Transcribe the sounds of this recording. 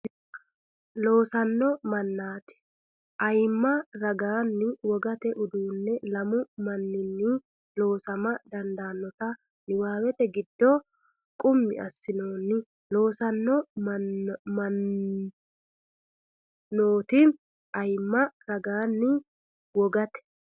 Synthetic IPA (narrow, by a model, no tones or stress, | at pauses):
lo̞ːsɐnːɔmɐnːaːt̪ɪ̥ | ʔɐjmːɐɾɐɡaːnːɪwɔɡɐt̪ɛʔʊd̪uːnːɛlɐmʊmɐnːɪnːɪ | lo̞ːsɐmɐd̪ɐnd̪aːnːɔt̪ɐ | nɪwaːwɛt̪ɛɡɪd̪ːɔ | kʼʊmːɪ̰ɐ̰sːɪnoːnːɪ | lo̞ːsɐnːɔ | ɐ | oːt̪ɪ | ʔɐjmːɐɾɐɡaːnːɪ | wɔɡɐt̪ɛ̥